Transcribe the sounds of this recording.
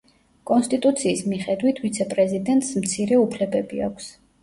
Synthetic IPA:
kʼɔnst̪ʼit̪ʼut̪sʰiːsmiχɛd̪wit̪ʰvit̪sʰɛpʼɾɛzid̪ɛnt̪ʼsmt̪sʰiɾɛupʰlɛbɛbia̰kʷʰs

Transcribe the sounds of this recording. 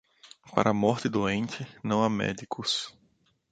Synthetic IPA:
pa̰ɾʔɐamɔɾt̪ɪd̪oẽnt͡ʃɪnɐ̃w̃amɛ̰d̪ikʰʊs

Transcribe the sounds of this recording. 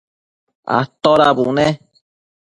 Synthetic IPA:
a̰t̪oɾabunẽ

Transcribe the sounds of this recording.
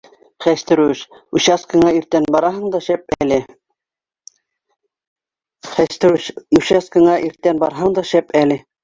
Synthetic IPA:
χæʃt̪ɘ̆ɾʉʃʉɕɑskɤ̆ɴɑiɾt̪ːænbɑɾɑɦɤɴd̪ɑʃæp̚ælɘ | χæʃt̪ɘ̆ɾʉʃʉɕɑskɤ̆ɴɑʔiɾt̪ːænbɑɾɦɤɴd̪ɑʃæpælɘ

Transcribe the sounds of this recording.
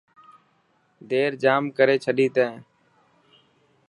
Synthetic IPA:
d̪eːɾd͡ʒaːmkəɾeːt͡ʃʰəɗiːt̪ẽː

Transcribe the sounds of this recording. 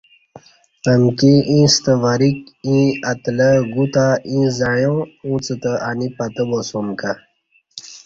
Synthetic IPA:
əmkiʔĩːst̪əʋaɾikĩɐt̪ləɡut̪aĩzajõũt͡sət̪əʔanipat̪əbosomka

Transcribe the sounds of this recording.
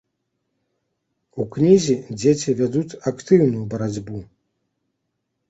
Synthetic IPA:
uknʲizʲid͡zʲet͡sʲivʲad̪ut͡sʲakt̪ɨwnujubɐɾad͡zʲbu

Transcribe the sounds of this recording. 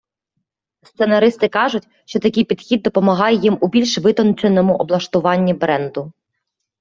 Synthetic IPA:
st̪se̞nɐɾɪst̪ɪkɑʒʊtʲ | ʃt͡ʃɔt̪ɐkʲɪjpʲid̪xʲid̪̚ːɔpɔmɐɦɑjɛjimubʲilʲʃʋɪt̪ɔnt͡ʃenɔmʊʔɔblˠɐʃt̪ʊʋɑnʲːibɾɛnd̪ʊ

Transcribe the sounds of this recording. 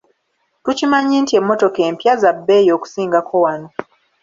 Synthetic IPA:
tucimaɲiːntie̞mːo̞to̞keːmpjazabːe̞ːjo̞ːku̥siːŋɡakʰo̞wano̞

